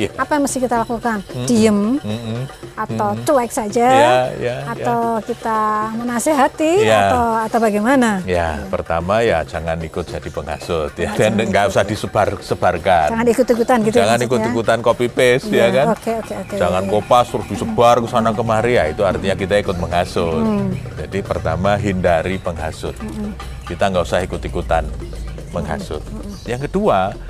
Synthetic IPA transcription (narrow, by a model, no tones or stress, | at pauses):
jaapajaŋməst̪ɪhkit̪alakukand̥iəm | at̪awt̪uak̚sad͡ʒajajaaawkit̪amənaseɦat̪ijat̪awat̪awbaɡejmanaja̰pərt̪amaja̰d͡ʒaŋanikʊt̪̚d͡ʒ̥ad̥ipəŋa̰sʊt̪jadɛnŋɡaʔusahd̥isəb̥arsəb̥arkad͡ʒaŋanikʊt̪ːikut̪anɡit̪d͡ʒaŋanikʊtj̪kut̪ankopipɪsjakanokeokeoked͡ʒaŋankopast̪ɾʊsd̥isəb̥arkəsanakəmaɾiait̪uart̪iɲakit̪aikʊt̪̚məŋɦasʊt̪̚d͡ʒadipərt̪amaɦindaɾipəŋɦa̰sʊt̪̚ | kit̪aŋɡausahikʊt̪ikut̪an | məŋɦa̰sʊ̰t̪̚ | jaŋkədua